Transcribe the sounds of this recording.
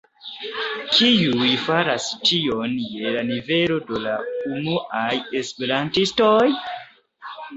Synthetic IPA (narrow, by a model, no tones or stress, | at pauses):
kʰiujfaɾastio̞nje̞lanive̞lo̞dolaumuʔajespeɾantistoj